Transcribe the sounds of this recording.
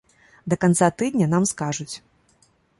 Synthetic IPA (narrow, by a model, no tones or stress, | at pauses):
d̪ɐkant̪sat̪ɨd̪nʲɐnamskaʐut͡sʲ